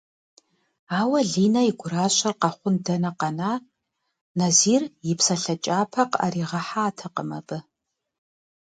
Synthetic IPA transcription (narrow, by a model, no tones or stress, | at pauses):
aːwɐɮiːnɐiɡʷʊɾaːɕʷʼɐrqɑχʷʊndɐnɐqɑnaː | nɐziːrjɪpsɐɬɐt͡ʃʼaːpʰɐqa̰ːɾiːʁɐħaːtʰɐqəmɐbɨ